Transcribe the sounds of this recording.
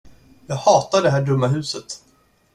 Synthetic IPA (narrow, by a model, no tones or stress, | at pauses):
jɑːɡhɑːt̪aɖɛɦæːɖɵmːaɦʉ̟ːsət̪